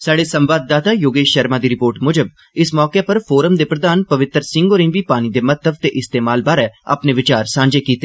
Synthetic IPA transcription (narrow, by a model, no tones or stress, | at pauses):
saːɖeːsə̃mʋaːd̪̚ːaːt̪aːjoːɡeːʃʃəɾmaːd̪iːɾɪpoːɾʈmʊd͡ʒəb̚ | ɪsmɔːkepəɾpʰoːɾəmd̪eːpɾəd̪aːnpəʋɪt̪ɾsɪ̃ŋɡoːɾɪ̃ŋʋiːpaːñiːd̪eːmət̪ʰəb̚t̪eːʔɪst̪eːmaːlbaːɾɛːa̰pneːʋɪt͡ʃaːɾsãːɲd͡ʒeːkiːt̪eː